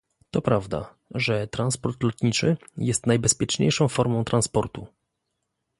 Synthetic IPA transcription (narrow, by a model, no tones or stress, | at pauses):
t̪ɔpɾavd̪a̰ | ʐɛt̪ɾanspɔɾt̪lɔt̪ɲit͡ʂɘjɛst̪najbɛspʲjɛt͡ʂɲḛjʂɔ̃w̃fɔɾmɔ̃w̃t̪ɾanspɔɾt̪u